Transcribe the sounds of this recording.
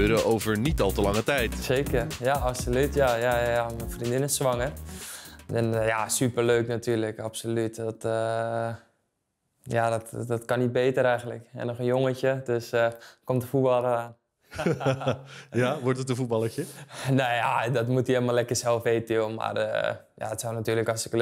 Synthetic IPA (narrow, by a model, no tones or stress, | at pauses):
øːɾəʔowvəɹnitɑlˠtəlɑŋətɛjtseːkərjaʔapsolytjajajamɛnfrindɪnəsʋaŋə | ɛnjasypərløːknatʰyːrləkapsolytdɔtə | jadɔtdɔtkanit̚beːtəɾɛjɣən̩tləkɛ̰nɔxənjoŋəcədøskomtəfubɑlˠəɾaːn | jaʋɔɹtətəfut̚bɑlˠəɹt͡ʃəneja̰dɔtmutielˠəmalɛkərsɛlˠfeːtilˠma̰rə̰ | ja̰ətsɔwnatyːləkɔsɪk